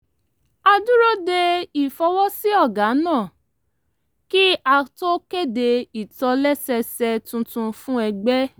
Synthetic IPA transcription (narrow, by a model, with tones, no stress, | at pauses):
a˧du˦ɾo˦de˧i˨fɔ˧wɔ˦si˦ɔ˦˨ɡa˨˦nãː˦˨ | ki˦a˧to˦ke˦˨de˧i˨tɔ˧lɛ˦sɛ˧sɛ˧tũ˧tũ˧fũ˦ɛ˧ɡ͡bɛ˦